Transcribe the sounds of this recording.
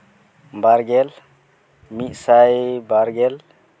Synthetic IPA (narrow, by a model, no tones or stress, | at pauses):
baɾɡɛl | misajbaɾɡɛl